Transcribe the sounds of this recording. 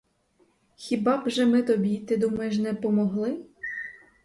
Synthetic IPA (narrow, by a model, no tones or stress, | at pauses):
xʲibɑbʒɛmɪt̪ɔbʲit̪ɪd̪umɐjeʃnɛpɔmɔɦlˠɪ